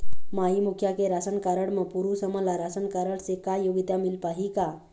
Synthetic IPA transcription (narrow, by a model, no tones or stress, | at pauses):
maɦimukʰjakeɾasənkaɾəɽməpuɾusəməlaɾasənkaɾəɽsekajoɡit̪amilpaɦika